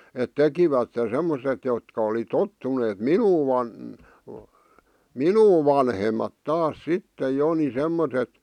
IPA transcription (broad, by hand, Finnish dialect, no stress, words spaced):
et tekiʋætːe semːoset jotkɑ oli totːuneːt minuː ʋɑn minuː ʋɑnhemɑt tɑːs sitːej jo ni semːotet